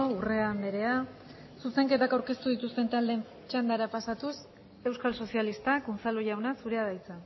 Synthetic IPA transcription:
ure̞ambe̞ɾe̞a | suse̞ŋke̞t̪akawɾke̞st̪uðit̪ust̪e̞nt̪ald̪e̞m | t͡ʃand̪aɾapasat̪us | e̞wskalsosialist̪akunt͡saloʝawnasuɾe̞aðajt͡sa

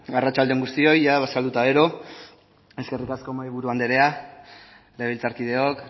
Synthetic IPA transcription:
arat͡ʃald̪eŋɡust̪io̞jaβasald̪ut̪aɣe̞ɾo̞ | e̞ske̞rikasko̞maiβuɾuand̪eɾe̞a | leilt͡saɾkiðe̞o̞k

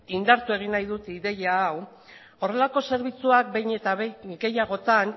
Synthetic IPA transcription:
ind̪aɾt̪ue̞ɣ̞inajðut̪iðe̞jaːw | o̞re̞lako̞se̞ɾβit͡suak̚bejɲe̞t̪aβeɡe̞jaɣ̞o̞t͡s̪an

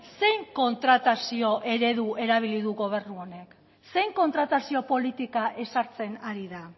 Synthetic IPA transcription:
se̞jŋko̞nt̪ɾat̪asio̞ʔe̞ɾe̞ðuʔe̞ɾaβ̞iliðuɣo̞β̞e̞rnuo̞ne̞k | se̞jŋko̞nt̪ɾat̪asio̞po̞lit̪ikaʔe̞saɾt͡se̞naɾiða

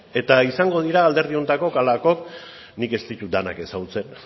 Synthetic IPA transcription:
e̞t̪aisaŋɡo̞ð̞iɾaːld̪e̞ɾð̞io̞nt̪ako̞kalako̞k | nike̞st̪it̪ud̪ana̰ke̞saɣut͡se̞n

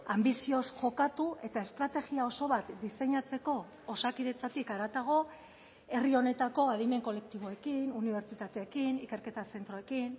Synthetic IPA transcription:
ambisio̞sʝo̞kat̪ue̞t̪ae̞st̪ɾat̪e̞ɣiao̞so̞βat̪d̪ise̞ɲat͡se̞ko̞ː | sakiðet͡sat̪ikaɾat̪aɣ̞o̞ | e̞rio̞ne̞t̪ako̞að̞ime̞ŋko̞le̞k̚t̪iβo̞e̞kinuniβ̞e̞ɾt͡ʃit̪at̪e̞ːkinike̞ɾke̞t̪ase̞nt̪ɾoe̞kin

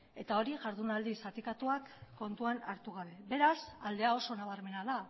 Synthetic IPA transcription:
e̞t̪ao̞ɾiʝaɾðunald̪isat̪ikat̪uakːo̞nt̪uanaɾt̪uɣ̞aβe̞be̞ɾasald̪e̞ao̞so̞naβ̞aɾme̞naða

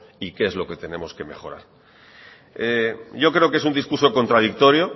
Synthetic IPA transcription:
ikeezlo̞ke̞t̪e̞nẽ̞mo̞ske̞me̞xo̞ɾa̰ɾ | eʝo̞kɾe̞o̞ke̞s̬und̪iskuɾso̞ko̞nt̪ɾað̞ik̚t̪o̞ɾjo̞

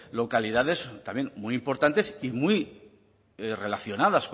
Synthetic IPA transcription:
lo̞kaliðaðe̞zt̪amjenmuijimpo̞ɾt̪ant̪e̞simij | re̞laθjo̞naðask

